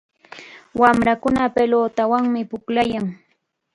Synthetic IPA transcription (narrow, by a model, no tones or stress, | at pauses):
wamɾakʊnapeloːt̪awaŋmɪpʊklajaŋ